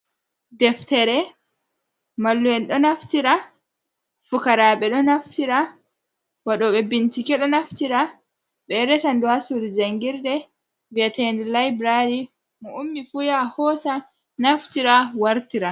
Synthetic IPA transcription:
dɛftɛɾɛ | malːuwɛnɗɔnaftiɾa | fukaɾaɓɛɗɔnaftiɾa | waɗɔɓɛbintikɛɗɔnaftiɾa | ɓɛɾɛsanduhasuɾid͡ʒaŋɡiɾdɛ | viatɛndɛlajbɾadi | mɔumːifujahɔsa | naftiɾawaɾtiɾa

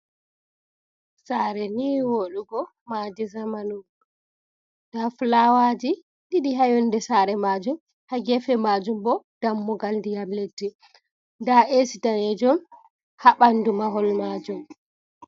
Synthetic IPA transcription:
saːɾɛniwoluɡɔ | madizamanu | d̥aflawad͡ʒi | ɗiɗiɦajɔndɛsaɾɛmad͡ʒum | haɡɛfɛmad͡ʒumbɔ | d̥amːuɡalndijamledːi | ndaesitanɛd͡ʒɔm | haɓandumaɦɔlmad͡ʒum

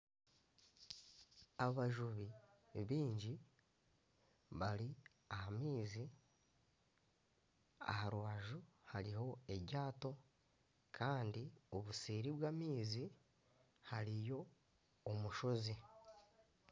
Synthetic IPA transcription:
aβaʒuβi | βiːɲɟi | βaɾi | ahamiːzi | a̰haɾwaːʒuhaɾiho̞e̞ɟɟaːto̞ | kʰaːndio̞βuseːɾiβwaːmiːzi | haɾijo̞ː | muʃo̞zi

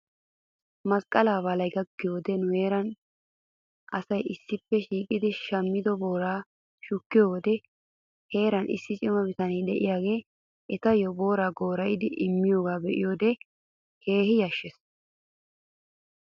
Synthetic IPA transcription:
mɐskʼːɐlaːβɐlɐjɡɐɡːɪjoːd̪ɛnʊhe̞ːɾɐn | ʔɐsɐjɪsːɪpːɛʃiːkʼɪd̪ɪʃɐmːɪd̪ɔbo̞ːɾaː | ʃʊkːɪjoːwɔd̪ɛ | he̞ːɾɐnɪ̰sːɪt͡ʃʼɪmɐbɪt̪ɐniːd̪ɛʔɪjaːɡe̞ː | ʔɛt̪ɐjɔbo̞ːɾaːɡo̞ːɾɐjɪd̪ɪʔɪmːɪjoːɡaːbɛʔɪ̰jo̞ːd̪ɛ | he̞ːhɪjɐʃːɛs

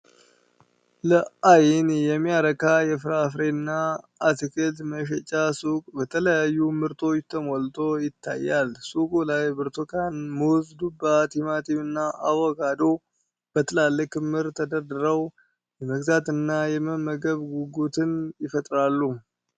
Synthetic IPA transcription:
ləʔajɪnjɛmːijaɾəkʰajɛfɨɾafɾenːaː | t̪ɨkʰəlt̪məʃ̬ɛt͡ʃʼasukʼbət̪ʰələjajːumɨɾt̪ʰo̞t͡ʃːt̪ʰəmolt̪ʰo̞jɪt̪ʰːa̰jːalsukʼulajbɨɾt̪ʰokʰanmuwzd̪ubat̪ʰimat̪ʰiβɨnːaʔawɔɡad̪o̞ | b̥ət̪ʰəlalːɨkɨmːɨɾt̪ʰəd̪əɾd̪əɾəw | jɛməɡzat̪ɨnːajɛməməɡəβɡuɡut̪ʰɨnjɪfət̪ʼɾalːu

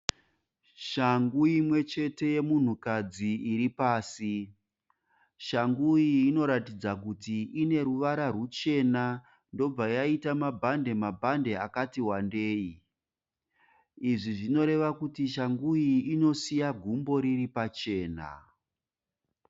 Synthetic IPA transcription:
ʃaŋɡuimwe̞t͡ʃe̞te̞je̞mun̤ukad͡ziiɾipaːsi | ʃaŋɡujiːno̞ɾatid͡zakutiʔine̞ɾuʋaɾarut͡ʃe̞na | ndo̞b͡vajaitamabʱande̞mabʱande̞akatiwande̞ːi | iʐiʐino̞ɾe̞ʋakutiʃaŋɡujiino̞sijaɡʱumbo̞ɾiripat͡ʃe̞ːna̰

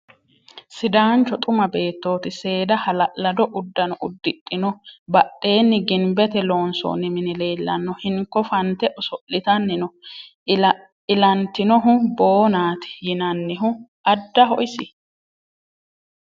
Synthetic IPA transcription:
sɪd̪aːnt͡ʃːɔt̪ʼʊmɐbe̞ːt̪ːo̞ːt̪ɪse̞ːd̪ɐhɐlɐʔlɐd̪ɔʔʊd̪ːɐnɔʊd̪ːɪtʼːɪnɔbɐɗe̞ːnːɪɡɪmbɛt̪ɛlo̞ːnso̰ːnɪmɪnɪle̞ːlːɐ̰nːɔhɪŋkːɔfɐnt̪ɛʔɔsɔʔːɪt̪ɐnːɪnɔ | ɪlɐnt̪ːɪnɔɦʊbo̞ːnaːt̪ɪ̥jɪnɐnːɪɦʊʔɐd̪ːɐɦɔ̰ʔɪsɪ

